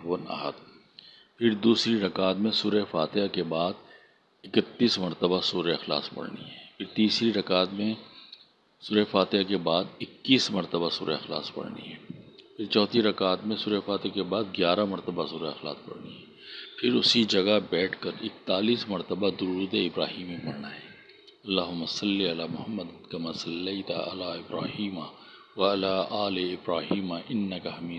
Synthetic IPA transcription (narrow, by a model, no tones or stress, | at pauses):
ʋəna̰ːɦə̰t̪ | pʰɪɾd̪uːsɾiɾɐkaːt̪mẽsuːɾefaːt̪ɪakebaːd̪ | ɪkət̪ːiːsmɐɾt̪əbasuːɾeɐxla̰ːspɐ̰ɽniɦɛːpʰɪɾt̪iːsɾiɾɐkaːt̪mẽ | suːɾefaːt̪ɪakebaːd̪ɪkːiːsmɐɾt̪əbasuːɾeɐxla̰ːspɐ̰ɽnḭɦɛːpʰɪɾt͡ʃɔːt̪iɾɐkaːt̪mẽsuːɾefaːt̪ɪakebaːd̪ɡjaːɾamɐɾt̪əbasuːɾaɐxla̰ːspɐ̰ɽniɦɛːpʰɪɾʊsid͡ʒɐɡabɛːʈʰkɐɾɪk̚t̪aːliːsmɐɾt̪əbad̪ʊɾuːd̪eɪbɾaːɦiːmẽpɐɽnaɦɛː | ɐlːaːɦʊmːasɐlːiɐlaːmʊhɐmːəd̪kɐmaːsɐlːɐjt̪aɐ̰laːɪbɾa̰ːhiːma | ʋɐɐlaːʔaːleɪbɾaːɦiːmaʔɪnːɐkɐɦɐmiː